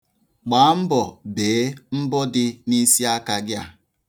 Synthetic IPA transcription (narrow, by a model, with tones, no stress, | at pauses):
k͡pa˨˦m̩˦bɔ˨beː˨˦m̩˦bɔ˦dɪ˦ni˦si˦a˦ka˨ɡɪ˦a˨